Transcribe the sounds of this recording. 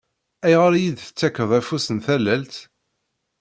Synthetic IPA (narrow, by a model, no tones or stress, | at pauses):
æjʁaɾjid̪θə̥t͡sːækːəðˤæfusənθælːælt̪